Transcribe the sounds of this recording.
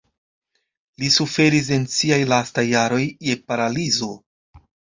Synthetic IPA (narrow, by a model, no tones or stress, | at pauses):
lisufe̞ɾis̬e̞nsiajlastajːaɾo̞jːe̞paɾalizo̞